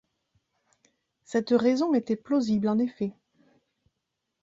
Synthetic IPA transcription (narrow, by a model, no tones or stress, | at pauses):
sɛt̪ʁɛzɔ̃et̪ɛploziblɑ̃nefɛ